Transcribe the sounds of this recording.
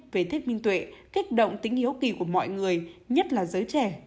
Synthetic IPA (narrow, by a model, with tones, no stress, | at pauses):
ve˨˩t̪ʰi˦˥k̚mï˧ŋt̪wḛ˧˨ki˦˥k̚ɗo̰˧˨wŋ͡mt̪ï˨˦ŋ̟hi˦əwki˨˩ku˧˩əmɔ̰˧˨jŋɨ˨˩əjɲə˦˥t̚laː˨˩zəː˨˦jt͡ɕɛ˧˩